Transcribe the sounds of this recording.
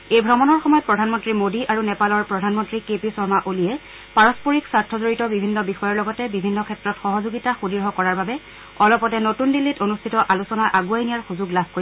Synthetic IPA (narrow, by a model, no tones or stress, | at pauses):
ejbʱɹɔmɔnɔɹxɔmɔjɔt̚pɹɔdʱanmɔntɹimodiʔaɹunɛpalɔɹpɹɔdʱanmɔntɹikepisɔɹmaʔolijɛ | paɹɔspoɹiksaɹtʰɔzoɹitɔbibʱinːɔbixɔjɔɹlɔɡɔtɛbibʱinːɔkʰɛtɹɔtxɔɦɔzoɡitaxudiɹɦɔkɔɹaɹbabɛ | ɔlɔpɔtɛnotundilːitonustʰitɔʔalusɔnaʔaɡuajnijaɹxuzʊɡlabʱkoɹi